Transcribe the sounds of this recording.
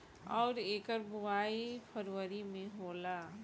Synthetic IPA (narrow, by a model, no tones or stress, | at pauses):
ɔːɾeːkəɾbʊwaːipʰəɾʋəɾimẽɦoːla